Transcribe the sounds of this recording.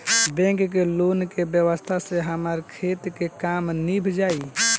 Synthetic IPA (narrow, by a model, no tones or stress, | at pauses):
bɛ̃ŋkkelonkebjəwəst̪ʰaseɦəməɾkʰet̪kekamnibʱd͡ʒai